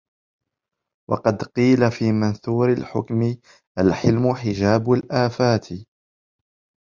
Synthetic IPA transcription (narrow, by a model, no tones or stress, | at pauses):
wʔɑ̰qɑd̪qiːlafiːmanθuːɾɪlħʊkmɪ | ʔalħɪlmʊħɪd͡ʒaːbʊlʔaːfaːt̪ʰɪ